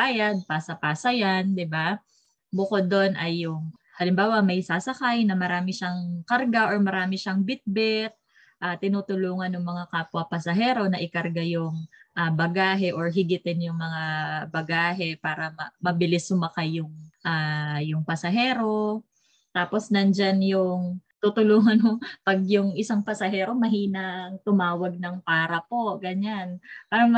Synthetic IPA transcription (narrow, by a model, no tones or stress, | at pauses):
aːjɐd̪̚paːsɐpaːsɐjand̪ɪba | bʊkod̪ːo̞nʔɐjːʊŋ | hɐlɪmbaːwɐmɐjsaːsɐkajnɐmɐɾaːmɪʃaŋkɐɾɡaʔo̞ɹmɐɾaːmɪʃaŋbɪt̪̚bɛt̪̚ | ʔaːt̪ɪnuːt̪ʊluːŋɐnːʊŋmɐŋakaːpʊɐpɐsɐɦɛːɾo̞nɐʔɪkɐɾɡajʊŋʔabɐɡaːɦɛʔoɹɦɪɡɪt̪ɛnjʊŋmɐŋabɐɡaːɦɛpaːɾɐmɐmɐbɪlɪsːʊmɐkajːʊŋʔaːjʊŋpɐsɐɦɛːɾo̞ | t̪aːpo̞snɐnd͡ʒanjʊŋt̪ut̪ʊluːŋɐnʊpɐɡ̚jʊŋʔɪsaŋpɐsɐɦɛːɾo̞mɐɦiːnɐŋt̪ʊmaːwɐɡ̚nɐŋpaːɾɐpo̞ɡɐɲanpaːɾɐm